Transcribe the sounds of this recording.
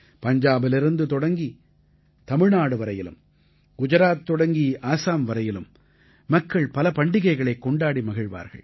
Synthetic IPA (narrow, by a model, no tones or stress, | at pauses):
pɐɲd͡ʒaːbɪlɪɾɯnd̪ɯt̪ɔɽɐŋɡi | t̪ɐmɪɻnaːɽɯʋɐɾɐjɪlɯ̰m | ɡʊd͡ʒɐɾaːt̪ːɔɽɐŋɡiʔaːsaːmʋɐɾɐjɪlɯ̰mː | ɐkːɐɭpɐlɐpɐɳɖɪɣɐɪɣɐɭɐɪkːɔɳɖaːɽimɐɣɪɻʋa̰ːɾɣɐ̰ɭ